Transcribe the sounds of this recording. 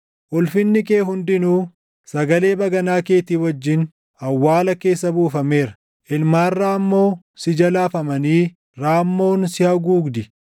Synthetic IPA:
ʔɔlfɪnːɪke̞ːɦʊnd̪ɪnuː | sɐɡɐle̞ːbɐɡɐnaːke̞ːt̪iːwɐd͡ʒːɪn | ɐwːaːlɐke̞ːsːɐbuːfɐme̞ːɾɐ | ʔɪlmaːrːaːɐmːo̞ː | sɪd͡ʒɐlaːfɐmɐniː | ɾaːmːo̞ːnsɪhɐɡuːɡd̪ɪ

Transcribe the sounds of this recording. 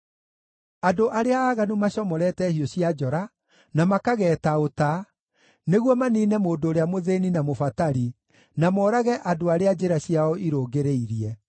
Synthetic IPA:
adoʔaɾeaːɣanumaɕɔmɔɾɛtɛhiɔɕiad͡ʒɔɾa | namakaɣɛːtaota | neɣwɔmaniːnɛmoːdoːɾeamoðeninamofataɾi | namɔːɾaɣɛʔadoaɾead͡ʒeɾaɕjaɔʔiɾoːɡeɾeiɾiɛ

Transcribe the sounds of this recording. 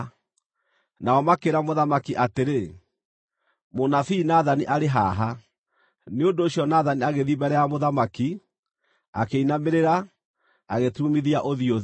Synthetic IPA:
naɔmakeɾamoðamakiʔateɾe | monafiːnaðaniʔaɾeɦaɦa | neondoːɕjɔnaðaniaɣeðiβɛɾɛamoðamaki | akeinameɾeɾa | aɣetumiðiaʔoðioð

